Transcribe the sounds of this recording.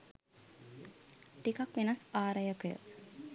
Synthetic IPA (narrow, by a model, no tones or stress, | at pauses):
ʈikakʋenasaːɾəjəkəjə̰